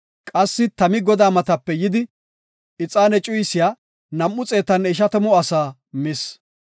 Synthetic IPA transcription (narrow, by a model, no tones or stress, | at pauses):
kʼɐsːɪt̪ɐmɪɡɔd̪aːmɐt̪ɐpːɛjɪd̪ɪ | ɪt͡sʼaːnɛt͡ʃʼʊjsɪjaː | nɐmʔːʊt͡sʼe̞ːt̪ɐnɪʃ̬ɐt̪ɐmɔɐsaː | mɪs